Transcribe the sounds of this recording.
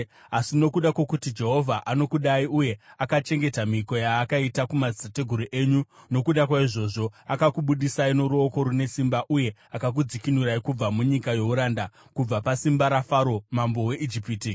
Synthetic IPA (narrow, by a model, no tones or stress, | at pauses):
asino̞kuɗakwo̞kutid͡ʒe̞ɦo̞vʱaʔano̞kuɗaiʔuje̞akat͡ʃe̞ŋɡe̞tamiko̞jaːkaitakumad͡zisate̞ɡʱuɾuʔe̞ɲuno̞kuɗakwaiʐo̞ːʐo̞akakuɓuɗisaino̞ɾuoko̞ɾune̞simbaʔuje̞akak̬ud͡zikinuɾaikub͡vamuɲikajo̞uɾaːnda | kub͡vapasimbaɾafaɾo̞mambo̞we̞ʔid͡ʒipiːti